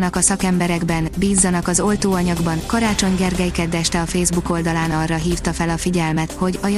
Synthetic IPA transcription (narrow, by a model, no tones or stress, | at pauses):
nɒkɒsɒkɛmbɛɾɛɡbɛnbiːzːɒnɒkɒzo̞lt̪oːɒɲɒɡbɒnkɒɾaːt͡ʃo̞ɲɡɛrɡɛjkɛd̪ɛʃt̪ɛɒfeːzbuko̞ld̪ɒlaːnɒrːɒɦiːft̪ɒfɛlɒfiɟɛlmɛt̪ho̞ɟɒj